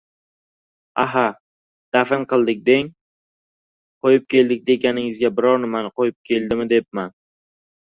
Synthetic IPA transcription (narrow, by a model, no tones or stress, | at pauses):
aɦa | d̪̥afɪnqɨlˠd̪ɪk̚ʲd̪e̞ŋ | qʰojɪp̚kʲʰe̞ld̪ɪk̚ʲd̪e̞ɡʲanɪŋɪzɡʲabɪɾɒɾnɪmanqojɪp̚kʲʰe̞lˠd̪ɪmɪd̪e̞p̚man